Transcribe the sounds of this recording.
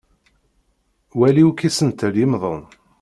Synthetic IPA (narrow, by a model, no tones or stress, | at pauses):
wæliwkisənt̪əljimðˤon